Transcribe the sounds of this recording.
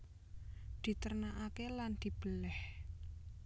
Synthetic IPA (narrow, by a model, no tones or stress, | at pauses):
d̪̥i̤t̪ərnaʔakeland̪̥i̤b̥əlɛh